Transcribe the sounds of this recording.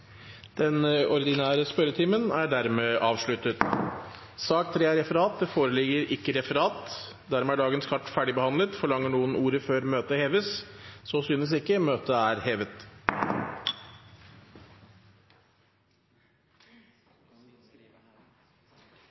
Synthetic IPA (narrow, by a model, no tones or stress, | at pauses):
d̪̥ɛnɔɾɪd̪ɪnæːɾəspœɾət̪ʰɪːmənæɖæɾmeːʔɑːʋʂɭʉt̪ːət̪ | sɑːk̚t̪ʰɾeːæɾɛfəɾɑːt̪̚d̪ɛfoːɾəlɪɡəɾɪkːəɾɛfəɾɑːt̪ | d̪æɾmeːæɖɑːɡənskʰɑʈːfæɖɪbəhɑnlət̪fɔɭɑŋːəɳuːənʔuːɾəføːɾmøːt̪əheːʋəssɔsyːnəs̬ɪkːəmøːt̪əæɾheːʋət̪